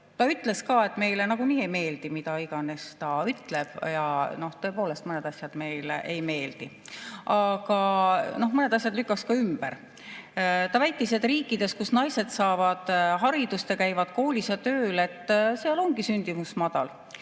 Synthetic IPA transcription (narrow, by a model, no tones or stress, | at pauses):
t̪ɑyt̪le̞skɑːe̞t̪ːˑme̞jlenɑɡ̥umiːejme̞ːld̪̥imid̪ɑiɡ̥ɑne̞st̪ɑyt̪leb̥jɑno̞ht̪ɤ̞po̞ːle̞st̪ɤned̪ɑsʲjɑd̪̥me̞jlḛʔejme̞ːld̪̥i | ʔɑɡ̥ɑno̞hmɤne̞d̪ɑs̬ʲjɑd̪lykːˑɑkskɑymb̥ḛɾ | t̪ɑvæjt̪ːˑised̪riːkˑːid̪̥e̞skusnɑjse̞d̪sɑːvɑd̪̥ɦɑɾid̪̥ust̪jɑkæjvɑd̪̥ko̞ːlʲisɑt̪ø̞ːle̞t̪ːˑseɑlo̞ŋɡ̥isynʲd̪̥imusmɑd̪̥ɑl